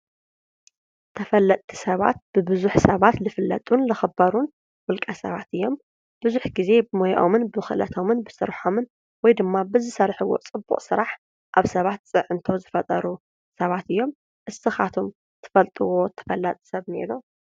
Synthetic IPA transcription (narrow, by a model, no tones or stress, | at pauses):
t̪ʰɐfɐlːɐt̪ʼʰːi̥sɐβa̰t̪̚b̥ɨbɨzuħsɐβat̪lɨfɨlːɐ̰t̪ʼunlɨxɨbɐɾun | wʊlkʼɐsɐβat̪ɨjːo̞m | b̥ɨzuħɡize̞bɨmojʔo̰mɨnbxɨlɐ̰t̪ʰo̞mɨnbɨsɨɾħomɨn | wɔjd̪ɨmːabɨzɨsɐɾħɨwo̞̰t͡sʼɨbːṵqʼsɨɾaħ | ʔa̰βsɐβat̪̚t͡sʼɨʕɨnt̪ʰo̞zɨfɐt̪ʼɐɾu | sɐβat̪ɨjːo̞m | ʔɨsɨxat̪ʰom | t̪ʰɨ̥fɐlt̪ʼɨwo̞t̪ʰɐ̥fɐlːɐt̪ʼsɐβnḛɾu